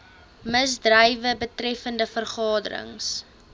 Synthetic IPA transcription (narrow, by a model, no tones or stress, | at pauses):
məsdrəjvəbətrɛfəndəfərχɑːdəɾə̰ŋs